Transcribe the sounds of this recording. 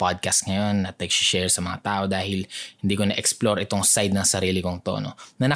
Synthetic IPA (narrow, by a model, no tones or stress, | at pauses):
pad̪̚kɐst̪ŋɐjo̞nːɐt̪lɐkʃɪ̥ʃɛɹsɐmɐŋa̰t̪aːʔo̞d̪aːhɪlhɪnd̪iːkonɐʔɛksploɾɪt̪o̞ŋsajd̪̚nɐŋsɐɾiːlɪkoŋt̪o̰nonɐnɐ